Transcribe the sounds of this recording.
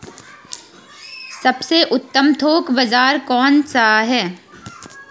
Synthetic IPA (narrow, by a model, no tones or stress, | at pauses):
sɐbseʔʊt̪ːəmt̪ʰoːkbɐzaːɾkɔːnsaɦɛː